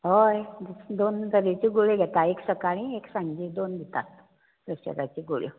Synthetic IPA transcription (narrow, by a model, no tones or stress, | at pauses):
ɦojd̪d̪ond͡zəɾet͡ɕiɡuɭeɡʱet̪aeksəkaɽ̃ĩeksãɲd͡ʑid̪ond̪ʱit̪ast̪o̥ | d̪əsə̰kat͡ɕiɡuɭḭ